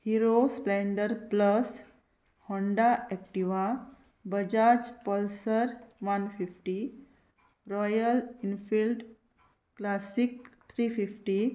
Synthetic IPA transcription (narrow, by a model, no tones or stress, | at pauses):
hiɾosplẽɳɖəɾpləs | hɔ̃ɳɖaʔɛk̚ʈiʋa | bəd͡ʑad͡ʒpəlsəɾʋanfifʈi | ɾɔjəlinfilɖ | klasikt̪ʰɾififʈi